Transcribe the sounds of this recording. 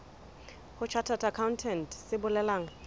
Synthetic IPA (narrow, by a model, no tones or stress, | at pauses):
hʊt͡ʃʰatʰatʰakʰaʊntʰɛntʰʼsɪbʊlɛlaːŋa